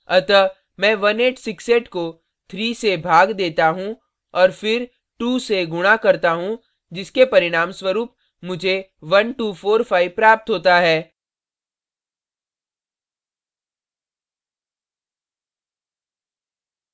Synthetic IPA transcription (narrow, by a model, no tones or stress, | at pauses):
ɐt̪ə | mɛ̃ːʋɐneːʈsɪkseːʈko | t̪ʰɾiːsebʱaːɡd̪eːt̪aɦũ | ɔːɾfɪɾ | ʈuːseɡʊɽ̃akɐɾt̪aɦũ | d͡ʒɪskepɐɾɪɽ̃aːmswəɾuːp̚ | mʊd͡ʒʱeʋɐnʈuːfʰoːɾpʰaːipɾaːp̚t̪ɦoːt̪aɦɛː